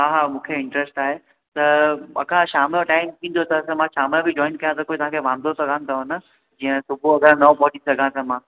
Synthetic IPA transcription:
ɦaːɦamũːkʰeɪ̃ɳʈɾesʈaːɦe | t̪ɐɐ̰kʰãʃaːmjoʈaːɪmt̪ʰĩːn̆d̪ʱot̪ʰɐsɐmãʃaːmjõbɪd͡ʑɔːɪnkɐjãt̪ɐkoːit̪ɐʋɦãkʰeʋãːnd̪ʱosɐɡʱãːnɪt̪ʰɐɦɐnə̆ | d͡ʑĩːə̃sʊbʱuɐɡãnɐ̃pɔːɗisɐɡʱãt̪ʰɐmãː

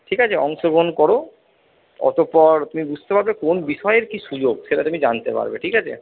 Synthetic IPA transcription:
ʈʰikat͡ɕʰeɔŋʃoɡonkɔɾo | ɔ̰t̪opɔɾt̪umibud͡ʑʱt̪epaɾbekonbiʃɔeeɾkiʃud͡ʑoɡʃeʈat̪umid͡ʑant̪epa̰ɾbḛʈʰikat͡ɕʰḛ

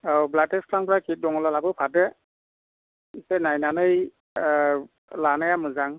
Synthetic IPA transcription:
awblatɛskʰlaŋpɔɹakʰit̚dɔŋɔlalabɯpʰatɛ | isɛnajnanɯj | lanɯjamɯzaŋ

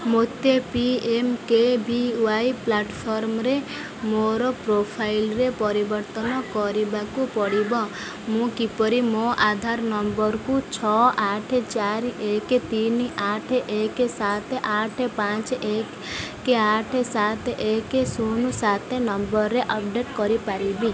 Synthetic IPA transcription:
mot̪ːepiemkebiʋaiplaʈpʰɔɾmɾe | moɾɔpɾopʰailɾepɔɾibəɾt̪ənɔkɔɾibakupɔɾibɔ̃ | mũkipɔɾimoʔad̪ʱaɾnəmbəɾkut͡ʃʰɔʔaʈʰet͡ʃaɾeket̪inaʈʰeʔekesat̪ʰeʔaʈʰepãt͡ʃekː | eaʈʰesat̪ʰekesunusat̪ʰenɔmbəɾːeʔəp̚ɖeʈkɔɾipaɾibi

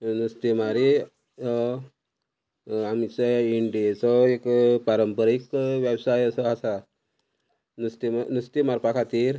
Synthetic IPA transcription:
nust̪imaɾi | amit͡səiɳɖisɔekpaɾəmpəɾikʋjəwsajəsɔasa | nust̪imanust̪imaɾpakʰat̪iːɾ

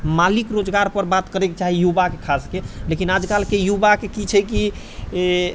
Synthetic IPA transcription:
malikɾod͡ʒɡaɾpəɾbat̪kəɾeket͡ʃaɦijubakekʰaskelekinad͡ʒkalkejubakekit͡ʃʰɛki

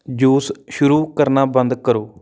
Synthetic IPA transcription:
d͡ʒuːsʃʊɾuːkəɾnaːbə̃nd̪kəɾoː

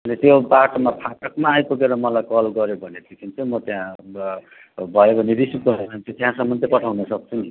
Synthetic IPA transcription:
ʌnit̪jobaʈmapʰaʈʌkmaːjpokeɾʌmʌlajkʌlɡʌɾjobʱʌned̪ikʰint͡sʰumʌt̪jã | bʱʌjobʱʌneɾisit̪̚ɡʌɾemant̪jot̪jɦãsʌmːʌnt̪ʌpʌʈʰawnʌsʌk̚t͡sʰuni

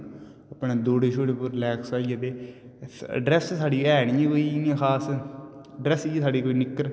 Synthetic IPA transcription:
əpɳeːd̪oːɽeːʃʰoːɽeːpʊɾlɛːksaːiəd̪eː | ɖɾɛssaːɖiɛːnɪjẽːkoːinãːxʰaːs | ɖɾɛsiesaːɖiːkoːiːnɪkːəɾ

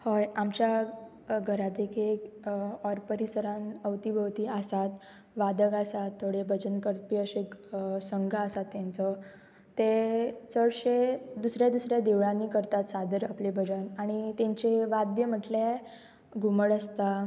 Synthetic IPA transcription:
hojamt͡ɕja | ɡʱəɾat̪ekiekɔɾpəɾisəɾãnəʋt̪ibʱəʋt̪iːasat̪ | ʋad̪əɡasat̪ːoɽebʱəd͡ʑənkəɾpiəɕeksəŋɡaːsat̪ːãnt͡sɔ | t̪et͡səɭɕed̪usɾjad̪usɾjad̪eʋɭãnːiːkəɾt̪at̪sad̪əɾaplebʱəd͡zənaɽ̃it̪ẽɲt͡ɕeʋad̪jəm̤əʈle | ɡʱuməɽəst̪a

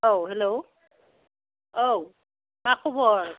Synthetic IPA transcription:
owɦɛlow | ow | makʰubɔɹ

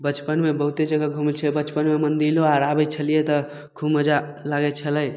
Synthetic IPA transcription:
bət͡ʃpənmebəɦut̪ed͡ʒəɡəɡʱumilt͡ʃʰɛbət͡ʃpənmemənd̪iloaɾabɛt͡ʃʰəlijet̪ə | kʰubməd͡ʒa | laɡɛt͡ʃʰələj

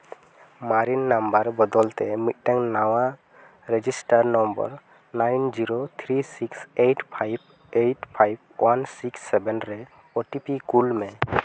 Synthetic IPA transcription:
maɾinːambaɾbɔd̪ɔlt̪ɛmit̪̚ˀʈɛŋnawa | ɾed͡ʒisʈaɾnɔmbə̰ɾ | najnd͡ʒiɾot̪ʰɾisiksejʈpʰajb̚ | ejʈpʰajb̚wansiksːɛbɛnɾɛ | oʈipikulmɛ̃

